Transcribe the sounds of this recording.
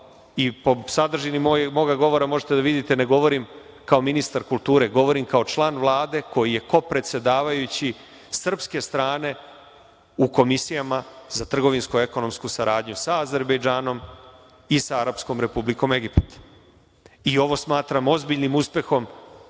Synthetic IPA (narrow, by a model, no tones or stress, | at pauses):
ipo̞sad̪r̩ʒinimojmo̞ɡaɡo̞ʋo̞ɾamo̞ʒet̪ed̪aʋid̪it̪ene̞ɡo̞ʋo̞ɾim | kao̞minist̪aɾkult̪uːɾe̞ɡo̞ʋo̞ɾimkao̞t͡ʃlˠaːnʋlˠaːd̪e̞ko̞jije̞ko̞pɾe̞t̪se̞d̪aːʋajut͡ɕi | sr̩pske̞st̪ɾaːne̞ | uko̞misijamazat̪r̩ɡo̞ʋinskue̞ko̞no̞mskusaɾaːd̪ɲusaːze̞ɾbejd͡ʒaːno̞m | isaaɾapsko̞mɾe̞publiko̞me̞ɡipt̪ | io̞ʋo̞smaːt̪ɾamo̞zbiʎnimuspje̞xo̞m